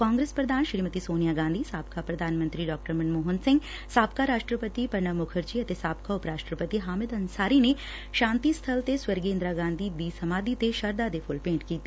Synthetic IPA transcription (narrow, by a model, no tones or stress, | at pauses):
kãːŋɡɾeːspɾɐd̪ʱaːnʃɾiːmət̪isoːnijaɡãːnd̪ʱisaːbkapɾɐd̪ʱaːnmənt̪ɾiɖɔːk̚ʈəɾmɐnmoːɦənsɪ̃ŋɡ | saːb̚kaɾaːʃʈɾəpət̪ipɐɾɳəmʊkʰəɾd͡ʒiɐt̪esaːbkaʊpɾaːʃʈɾəpət̪iɦaːmɪd̪ɐnsaːɾine | ʃãːnt̪ist̪ʰəlt̪eswəɾɡeːnd̪ɾaɡãːnd̪ʱid̪isɐmaːd̪it̪eʃɐɾd̪ad̪epʰʊlpẽːɳʈkiːt̪e